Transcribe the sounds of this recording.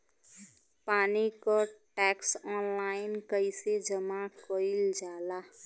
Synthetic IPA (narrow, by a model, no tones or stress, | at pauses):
paːnikoʈɛːksɔːnlaːɪnkəised͡ʒəmakoɪld͡ʒaːlaː